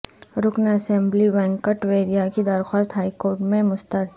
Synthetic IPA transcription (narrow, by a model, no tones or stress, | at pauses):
ɾʊknɐsẽmbliʋɛ̃ːŋkəʈʋeːɾijakid̪əɾxwaːst̪ɦaːikoːɾʈmẽmʊst̪əɾ